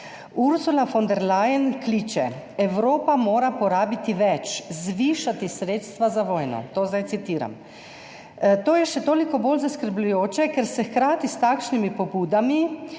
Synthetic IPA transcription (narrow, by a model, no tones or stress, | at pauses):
uɾsulafɔnd̪ɛɾlajənkliːt͡ʃɛ | ɛwɾoːpamoːɾapɔɾaːbit̪iʋɛt͡ʃzʋiːʃat̪isɾeːt̪st̪ʋazaʋoːjnɔ̰t̪oːzd̪ajt̪sit̪iːɾa̰m | t̪oːjɛʃɛt̪oːlikɔboːlzaskəɾblʎujoːt͡ʃɛkɛɾsɛxkɾaːt̪ist̪aːkʃnimipɔbuːd̪ami